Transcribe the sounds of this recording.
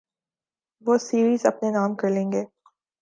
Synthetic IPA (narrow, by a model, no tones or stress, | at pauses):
ʋoːsiːɾiːzɐ̰pnenaːmkɐɾlẽːŋɡeː